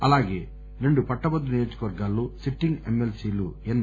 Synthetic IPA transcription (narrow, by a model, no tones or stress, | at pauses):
ɐlaːɡeː | ɾeɳɖupɐʈːɐbɐd̪ːunijoːd͡ʒɐkɐʋɐɾɡaːlːusiʈːiŋɡemːelsiːluen